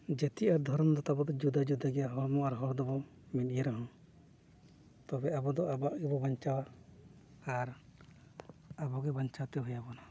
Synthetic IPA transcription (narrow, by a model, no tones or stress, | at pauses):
d͡ʒɛt̪iaɾd̪ʱɔɾɔmd̪ɔt̪abɔd̪ɔd͡ʒud̪ad͡ʒud̪aɡɛjaɦɔɾmɔaɾɦɔɾd̪ɔbɔ | mit̪ijeɾɔɦɔ̃ | t̪ɔbɛabɔd̪ɔabaʔɡɛbɔbaɲt͡ʃawaː | ɾ | abɔɡɛbaɲt͡ʃawt̪ɛɦujabɔna